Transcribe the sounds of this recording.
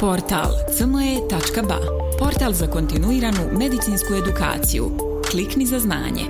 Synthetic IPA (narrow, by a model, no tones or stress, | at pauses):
po̞ɾt̪a̰ːlˠt̪sənoje̞t̪at͡ʃkaba̰ | po̞ɾt̪alˠzako̞nt̪inuiːɾanume̞d̪it̪sinskue̞d̪uka̰ːt̪sḭjṵ | kliknizazna̰ːɲḛ